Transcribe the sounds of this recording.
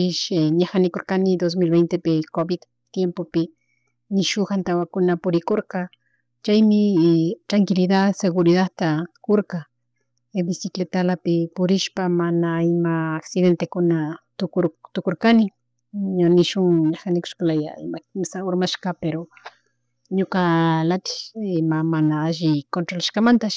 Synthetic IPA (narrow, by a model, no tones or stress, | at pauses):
ɪʃeɲaxanɪkoɾkanɪd̪os̬milbejnt̪epɪkobɪd̪ | t̪jempopɪ | nɪʃʊxant̪awakʊnapʊɾɪkoɾka | t͡ʃajmɪt̪ɾaŋkɪlɪd̪aseɣʊɾɪðat̪akoɾka | bɪsɪklet̪alapɪpʊɾɪʃpamanaɪmaːksɪðent̪ekʊnat̪ʊkoɾt̪ʊkoɾkanɪ | ɲanɪʃʊŋaxanɪkʊ̥ʃkalaja̰ɪ̰makɪmsaʊɾmaʃkapeɾo | ɲʊkalat̪ɪ̥mamanaaʒɪkont̪ɾolaʃkamant̪a